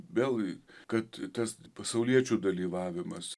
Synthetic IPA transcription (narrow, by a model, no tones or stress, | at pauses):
ʋʲelˠɡkɐt̪t̪ɐspɐsɐʊlʲiɛt͡ʃʲuːd̪ɐlʲiːʋɑːʋʲɪmɐs